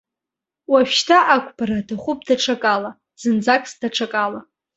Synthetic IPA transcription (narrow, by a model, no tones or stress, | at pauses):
waʃᶣtʰaʔakʷʰʼbaɾadaχʷʊp̚ʰʼdaʈ͡ʂʰakʼala | z̥ɨnd͡zakʼsdaʈ͡ʂʰakʼala